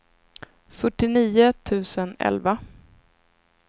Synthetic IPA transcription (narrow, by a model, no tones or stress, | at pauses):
fœʈːɪniːʊt̪ʰʉ̟ːsənɛ̰lva